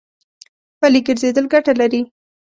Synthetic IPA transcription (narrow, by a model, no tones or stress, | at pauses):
pəliɡəɾzed̪əlɡaʈalaɾi